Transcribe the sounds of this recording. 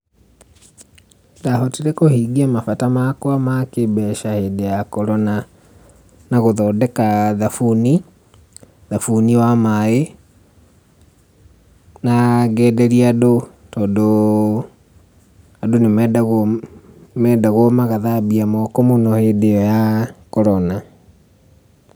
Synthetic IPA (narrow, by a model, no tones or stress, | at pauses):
daɦɔtiɾekohiɡiamafatamakwamakebɛʃahedejakɔɾɔna | naɣoðɔdɛkaðafuni | ðafuniwamae | naɡɛːdɛɾiado | tɔːndo | adonemɛdaɣ | mɛdaɣwɔmaɣaðabiamɔkɔmonɔhedeɔjakɔɾɔna